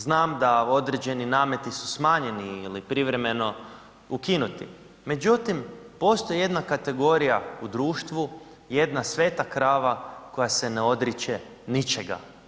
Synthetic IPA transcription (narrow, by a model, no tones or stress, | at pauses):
znaːmd̪ao̞d̪ɾed͡ʑe̞ninaːmje̞t̪isu̥smaːɲe̞niːlipɾiʋɾe̞me̞no̞ | ukinut̪ḭ | me̞d͡ʒut̪impo̞st̪o̞jeje̞d̪nakat̪e̞ɡo̞ɾijaud̪ɾuːʃt̪ʋu | je̞d̪nasʋe̞ːt̪akɾaːʋako̞jase̞neo̞d̪ɾit͡ʃe | nit͡ʃe̞ɡa̰